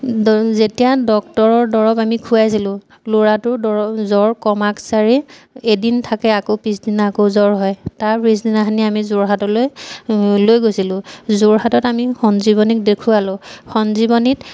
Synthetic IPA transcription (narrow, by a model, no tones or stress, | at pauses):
zetijadɔk̚tɔɹɔɹdɔɹɔpamikʰuajs̬ilʊ̃ | loɹatʊɹdɔɔzɔɹkɔmaksaɹi | edintʰakɛakopisdinaːkozɔɹɦɔjtaɹpɹis̬dinaxaniamizoɹɦatɔloj | lojɡojsilʊ̃zʊɹɦatɔtamixɔnziβɔnik̚dekʰʊalʊxɔnzibɔnit